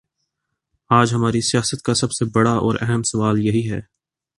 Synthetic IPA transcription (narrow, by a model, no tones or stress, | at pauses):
aːd͡ʒɦɐmaːɾisijaːsət̪̚kasɐbsebɐɽaɔ̰ːɾɛɦɛmsɐʋaːljɐɦiɦɛː